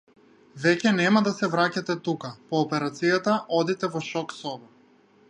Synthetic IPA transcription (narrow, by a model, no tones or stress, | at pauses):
vɛcɛnɛmad̪asɛvɾacat̪ɛt̪ukapɔːpɛɾat̪sijat̪aʔɔd̪it̪ɛvɔʃɔksɔva